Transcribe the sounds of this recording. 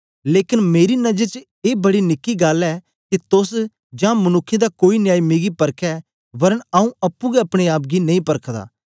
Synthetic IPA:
leːkɪnmeːɾinɐd͡ʒəɾt͡ʃ | eːbɐɽinɪkːiɡaːlɛː | kit̪ʊs | d͡ʒãːmɐnʊkʰːẽd̪akoːinɪjaːimiːɡipɐɾkʰɛ | ʋɐɾənaːũɐpːũɡɛɐpɽ̃eaːpɡinɐĩːpɐɾkʰd̪a̰ː

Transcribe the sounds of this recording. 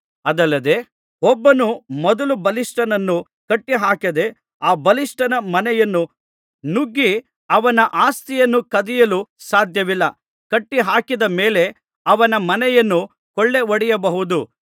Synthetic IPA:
ɐd̪ɐlːɐd̪e̞ | ɔbːɐnumɔd̪ɐlubɐlisʈɐnɐnːu | kɐʈːiɦaːkɐd̪e̞ | aːbɐlisʈɐnɐmɐnɛjɐnːu | nuɡːi | ɐʋɐnɐʔaːst̪ijɐnːukɐd̪ɛjɐlusaːd̪ʱjɐʋilːɐ | kɐʈːiɦaːkid̪ɐme̞ːle̞ | ɐʋɐnɐmɐnɛjɐnːu | kɔɭːe̞oɽijɐbɐɦud̪u

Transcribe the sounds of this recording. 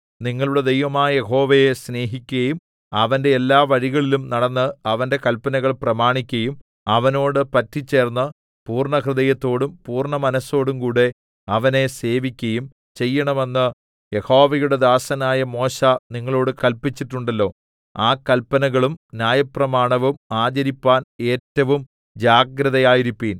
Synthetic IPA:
niŋːɐɭuɽe̞d̪e̞jʋɐmaːjɐjeɦo̞ːʋejesne̞ːɦikʲːuɣɐjum | ɐʋɐnde̞ːlːaːʋɐɻiɣɐɭilumnɐɽɐnːɨɐʋɐnde̞kɐlpːɐnɐɣɐɭprɐmaːɳikʲːɐjum | ɐʋɐno̞ːɽɨpɐtːit͡ɕːe̞ːrnːɨ | puːrɳɐkrɨðɐjɐt̪ːo̞ːɽumpuːrɳɐmɐnɐso̞ːɽumkuːɽe̞ | ɐʋɐne̞se̞ːʋikʲːɐjum | t͡ɕe̞jːɐɳɐme̞nːɨ | je̞ho̞ːʋɐjuɽe̞d̪aːsɐnaːjɐmo̞ːɕaniŋːɐɭo̞ːɽɨkɐlpit͡ɕːiʈːuɳɖɐlːo̞ː | aːkɐlpɐnɐɣɐɭumnjaːjɐprɐmaːɳɐʋumaːd͡ʑɐɾipːaːne̞ːtːɐʋum | d͡ʑaːɡɾɐðɐjaːjiɾipːiːn

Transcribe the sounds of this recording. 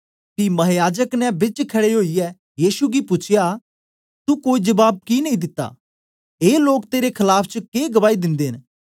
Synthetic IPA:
kimɐɦjaːd͡ʒəknɛ̃bɪt͡ʃkʰɐɽeɦoːiɛ | jiːsuɡipʊt͡ʃʰɪja | t̪ukoːid͡ʒɐbaːb̚kinɐ̃ĩd̪ɪt̪ːa̰ː | eːloːk̚t̪eːɾekʰɐlaːpʰt͡ʃəkeːɡɐʋaːid̪ɪ̃nd̪eːn

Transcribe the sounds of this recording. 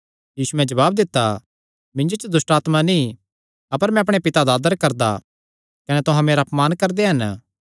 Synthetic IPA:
jiːsumɛ̃d͡ʒɐβaːbd̪ɪt̪ːa | mɪ̃nd͡ʒot͡ʃəd̪ʊsʈaːt̪manĩ | ɐpəɾmɛ̃ɐpɽ̃epɪt̪ad̪aːd̪əɾkɐɾd̪a̰ | kɐnɛt̪ʊɦãmeːɾapmaːnkɐɾd̪eɦɐn

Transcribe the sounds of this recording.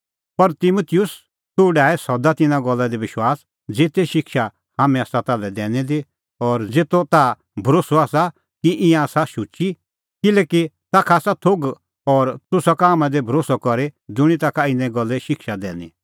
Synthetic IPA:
pɐɾt̪ɪmut̪ʰɪjʊs | t̪ʊːɖaːɛsɔd̪at̪ɪnãɡɔlːad̪iʋɪʃwaːs | d͡zeːt̪eʃɪkʃa | haːmɛ̃aːsat̪alɛd̪ɛːnĩd̪i | ɔːɾd͡zeːt̪ot̪a | bʱɐɾoːsoaːsa | kiʔɪ̃jãasaʃʊt͡ʃi | kɪlɛːkit̪aːkʰaːsat̪ʰoɡ | ɔːɾt̪ʊsakaːmɛ̃d̪ebʱɐɾoːsɔkɔɾed͡zʊɽ̃it̪aːkʰaɪnɛ̃ɡɔlːɛʃɪkʃad̪ɛ̰ːnḭ̃

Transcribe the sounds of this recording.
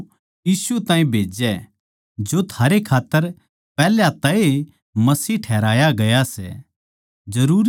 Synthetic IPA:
jiːsut̪ãːĩbʱeːd͡ʒɛ | d͡ʒot̪ʰaːɾekʰaːt̪ːəɾ | pɛːljat̪ɐe | mɐsiːʈʰɛːɾaːjaɡɐjasɛ̰ | d͡ʒɐɾuːɾ

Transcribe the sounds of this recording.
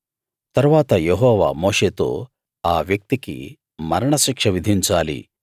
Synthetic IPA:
t̪ɐɾuʋaːt̪ɐjeɦɔːʋa̰moːʂeːt̪o̰ː | aːʋjɐk̚t̪ikḭ | mɐɾɐɳɐʃikʂɐʋid̪ʱiɲt͡ʃaːlḭ

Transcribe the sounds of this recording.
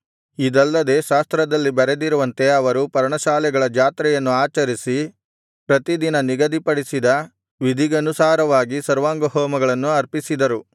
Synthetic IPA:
id̪ɐlːɐd̪e̞ʃaːst̪ɾɐd̪ɐlːibɐɾe̞d̪iɾuʋɐnt̪e̞ɐʋɐɾupɐɾɐɳɐʃaːlɛɡɐɭɐd͡ʒaːt̪ɾɛjɐnːuaːt͡ʃɐɾisi | pɾɐt̪id̪inɐniɡɐd̪ipɐɽisid̪ɐ | ʋid̪ʱiɡɐnusaːɾɐʋaːɡisɐɾʋaːŋɡɐɦɔːmɐɡɐɭɐnːuɐɾpisid̪ɐɾu

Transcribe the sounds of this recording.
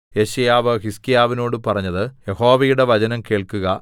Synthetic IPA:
je̞ɕɐjaːʋɨɦiskijaːʋino̞ːɽɨpɐrɐɲːɐðɨje̞ho̞ːʋɐjuɽe̞ʋɐt͡ɕɐnɐmke̞ːɭkuɣɐ

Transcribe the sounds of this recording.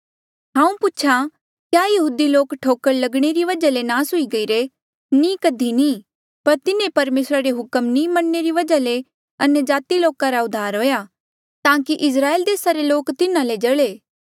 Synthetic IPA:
ɦãːũpʊt͡ʃʰa | kjaːjɐɦuːd̪iloːkʈʰoːkəllɐɡɽ̃eɾiʋɐd͡ʒalenaːsɦʊiɡɐiːɾe | nĩkɐd̪ʱinĩː | pɐɾt̪ɪnẽpɐɾmeːsɾaɾeɦʊkəmnĩmɐnːeɾiʋɐd͡ʒale | ɐnjəd͡ʒaːt̪iloːkãɾaʊd̪ʱːaːɾɦoːja | t̪ãːkiʔɪs̬ɾaːeld̪eːsaɾeloːkt̪ɪnãled͡ʒɐɭeː

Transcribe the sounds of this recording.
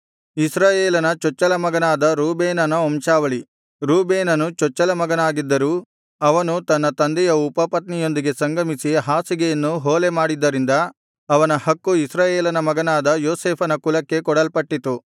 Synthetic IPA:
isɾaːjeːlɐnɐt͡ʃɔt͡ʃːɐlɐmɐɡɐnaːd̪ɐɾuːbeːnɐnɐomʃaːʋɐɭi | ɾuːbeːnɐnut͡ʃɔt͡ʃːɐlɐmɐɡɐnaːɡid̪ːɐɾuː | ɐʋɐnut̪ɐnːɐt̪ɐnd̪ɛjɐupɐpɐt̪nijo̞nd̪iɡe̞sɐŋɡɐmisiɦaːsiɡejɐnːuɦoːlemaːɽid̪ːɐɾind̪ɐ | ɐʋɐnɐhɐkːuisɾaːjeːlɐnɐmɐɡɐnaːd̪ɐjoːseːpʰɐnɐkulɐkːe̞kɔɽɐlpɐʈːit̪u

